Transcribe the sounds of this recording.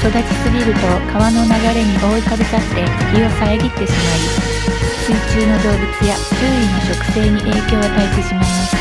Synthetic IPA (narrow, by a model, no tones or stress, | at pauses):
so̞d̪at͡ɕi̥sɨɡʲiɾɯ̟t̪o̞kʰaβano̞naɡaɾe̞ɲ̟iʔo̞ːik̪abetat̪ːe̞ɡʲiβasaeɡʲit̪ːe̞ɕimaɾʲi | sɨːt͡ɕɨːno̞d̪o̞ːbɯ̟t͡sɨjat͡ɕɨːino̞t͡ɕo̞kɯ̟̥se̞ːɲ̟iʔe̞ːkʲo̞ːat̪aet̪e̞ɕimaimasɨ̥